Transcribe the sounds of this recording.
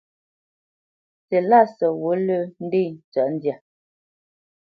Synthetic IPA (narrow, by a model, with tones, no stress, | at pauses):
se˨la˦˨sə˨wo˨˦lə˦˨n̩˦de˦˨n̩˨t͡sa˨˦n̩˦dja˨